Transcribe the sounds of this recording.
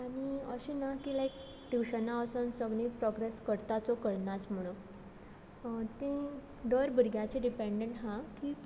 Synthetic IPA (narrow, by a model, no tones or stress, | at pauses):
aɽ̃iəɕinakilajk | ɖ̪iwɕənaəsənsəɡɭĩpɾɔɡɾeskəɾt̪at͡sɔkəɾnat͡sm̤əɽ̃u | t̪ẽ | d̪əɾbʱəɾɡjat͡ɕẽɖipeɳɖəɳʈɦãkiː